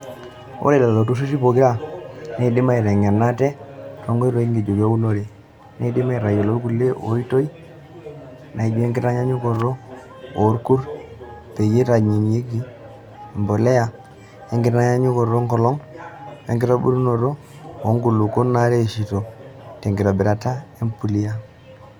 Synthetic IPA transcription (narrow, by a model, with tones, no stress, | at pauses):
o̰˦ɾe˦˨la˨llo˨tu˦s̬u˦s̬i˦po˨kɪ˦ɾa˦ne˦˨dɪ˦ma˦i˨ɾɛ˨ŋɛ˨na˦tɛ˦tɔ˨ŋɡɔ˦i˦ɾɔ˨i˦ŋɡi˨d͡ʒo˨ɡo˦u˦no˦ɾe˨ | ne˨˦i˨dɪ˦ma˦i˨ɾa˨jɔ˨lo˦ɾku˨lːe˦ʔo̰˨˦i˦to˦i˦ | na˨i˨d͡ʒu˦ɛ˦ŋɡɪ˦ta˦ɲa˦ɲu˦kɔ˨ro˦ | o˨˦ɾku˦ɾ | pe˨je˦ɾa˨ɲi˨n˨e˦ɡi˦˨ | mbo˨lɛ˦ja˨ | ɛ˦ŋɡɪ˦ta˦ɲa˦ɲu˦kɔ˨ɾo˦ŋkɔ˨lɔ˦ŋ | ḛ˨ŋɡi˦ta˦bṵ˦ɾu˦no˨ɾo˦ | o˦ŋɡu˨lu˨ko˦na˦ɾe˦˨ʃi˨to˨tɛ˨ŋɡi˨ɾa˨bɪ˨ɾa˨ta˦e˦mpu˨li˦a˦